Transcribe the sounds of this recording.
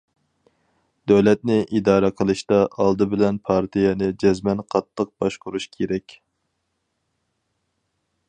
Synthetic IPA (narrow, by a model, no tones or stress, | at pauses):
d̪øwlɛt̪̚nɪʔid̪ɑːɾɛqʰəlˠɨʃt̪ɑʔɑlˠd̪ɨbɪlɛnpʰɑɾt̪ʰijɛnɨd͡ʒɛzmɛnqʰɑt̪ːəq̚bɑʃqʰʊɾuʃkʲʰeɾɛkʲ